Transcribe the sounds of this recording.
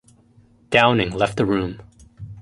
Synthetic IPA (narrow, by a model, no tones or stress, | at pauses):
d̥ãʊ̃nɪ̃ŋlɛft̪̚ðɨɹʉ̃m